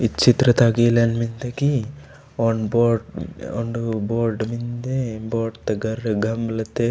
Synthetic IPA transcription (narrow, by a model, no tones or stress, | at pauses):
it͡ʃit̪ɾɐt̪aːɡilɐnmind̪ɐɡi | oɳboːɾɖoɳɖuboːɾɖmind̪eboːɾɖt̪ɐɡɐɾːɐɡɐmbɐlɐt̪ːe